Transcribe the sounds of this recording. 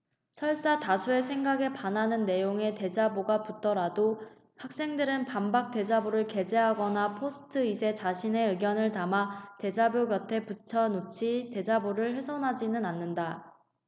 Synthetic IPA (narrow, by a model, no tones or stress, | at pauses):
sʰʌɭs͈atasʰue̞sʰe̞ŋɡaɡe̞panɦanɯnːe̞joŋe̞te̞d͡ʑaboɡaput͈ʌɾado | hak̚s͈e̞ŋdɯɾɯnpambak̚t͈e̞d͡ʑaboɾɯɭke̞d͡ʑe̞ɦaɡʌnapʰosʰɯ̥tʰɯisʰe̞t͡ɕaɕʰine̞ɯɡjʌnɯɭtamate̞d͡ʑabjoɡjʌtʰe̞put͡ɕʰʌnot͡ɕʰite̞d͡ʑaboɾɯɭɸe̞sʰʌnɦad͡ʑinɯnanːɯnda